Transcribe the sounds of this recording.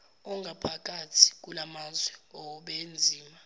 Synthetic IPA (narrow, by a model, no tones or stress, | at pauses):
ɔŋɡʱapʰak̬ʼatʰi̥k̬ulamazwɛɔɓend͡zʱiːma